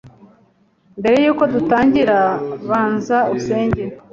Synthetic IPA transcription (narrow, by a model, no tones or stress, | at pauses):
mbe̞ɾe̞juːko̞dutaːɲɟiɾaβaːnzauuse̞ːɲɟe